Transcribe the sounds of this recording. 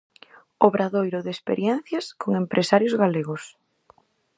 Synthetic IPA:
oβɾaðojɾʊðespḛɾjɛnθjaskoŋempɾʔesaɾjozɣaleɣʊs

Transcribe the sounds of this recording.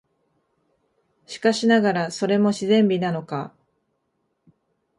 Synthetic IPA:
ɕi̥kaɕinaɡaɾaso̞ɾe̞mo̞ɕizẽ̞mbʲinano̞ka

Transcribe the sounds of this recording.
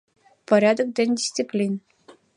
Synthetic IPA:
pəɾʲad̪ək̚d̪end̪ʲisʲt̪siplʲin

